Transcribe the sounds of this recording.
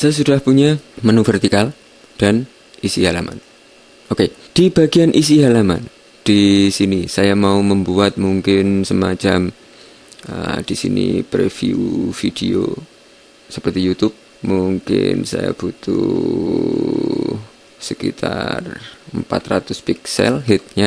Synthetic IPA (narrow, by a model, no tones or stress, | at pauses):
sajas̬udahpuɲamanufərt̪ikal | d̥an | isiɦalama̰n | oked̥ibaɡianʔis̬iɦalama̰n | d̥isinisajamauməmbuat̪̚muŋkɪnsəmat͡ʃam | əd̥isḭnḭpɾefḭufideo | səpərt̪ijut̪ʊp̚ | muŋkɪ̰nsa̰ja̰b̥ut̪u | səkḭt̪ʰa̰rəmpa̰t̪rat̪ʊspiksɛ̰lɦɪt̪̚ɲa